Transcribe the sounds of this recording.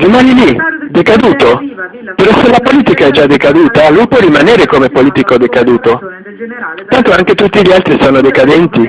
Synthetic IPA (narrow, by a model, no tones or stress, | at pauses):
rimaːnilid̪ekad̪uːt̪o | peɾɔselapoliːt̪ikaɛd͡ʒad̪ekad̪uːt̪alujpwɔrimaneːɾekomepoliːt̪ikod̪ekad̪uːt̪o | t̪ant̪oaŋk̟et̪ut̪ːiʎialt̪ɾisoːnod̪ekad̪ɛnt̪i